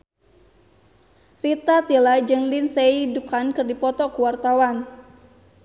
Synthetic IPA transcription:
rit̪at̪ilad͡ʒɨŋlinseidukankɨrdipɔt̪ɔkuwart̪awan

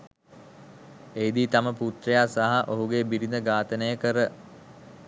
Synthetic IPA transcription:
eid̪iːt̪aməput̪ɾəjaːsaɦaʔoɦuɡebiɾind̪əɡaːt̪ənəjəkəɾə

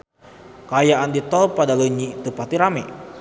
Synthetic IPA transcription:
kajaʔandit̪ɔlpadaluɲit̪upat̪iɾamɛ

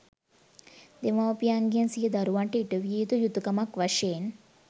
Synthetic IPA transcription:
d̪emawpijaŋɡijənsiɦed̪ɐɾuʋaɳʈəiʈəʋiiːt̪ujut̪ukɐmakʋaʃeːn

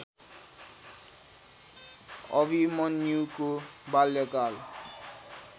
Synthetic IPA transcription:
ʌbimʌnːuko | baljʌkal

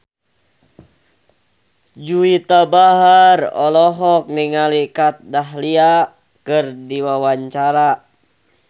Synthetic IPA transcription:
d͡ʒuit̪abaɦarɔ̰lɔɦɔk̚niŋalikat̪̚daɦlia | kɨrdiwawaɲt͡ʃaɾa

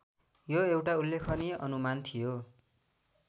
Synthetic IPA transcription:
joewʈaulːekʰʌneʌ̰numant̪ʰijo

